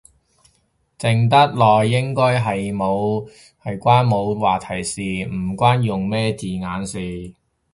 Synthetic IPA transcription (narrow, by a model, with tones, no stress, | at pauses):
t͡sɪ˨ŋt̪ɐ˥t̚lɔː˨jːɪ˥ŋkɔː˥jɦɐ˨jmo˨˧w | hɐ˨jkʷaː˥nmo˨˧wwaː˨t̪ʰɐ˨˩jsiː˨m̩˨˩kʷaː˥njʊ˨ŋmɛː˥t͡siː˨˩ŋaː˨˧nsiː˨